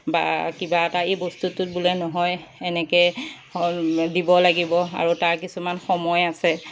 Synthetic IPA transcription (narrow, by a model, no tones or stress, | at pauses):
ba̰kibaɛtaejbostutʊt̚bulɛnɔɦɔjɛnɛkɛ | dibɔlaɡibɔa̰ɹutaɹkisumanxɔmɔjasɛ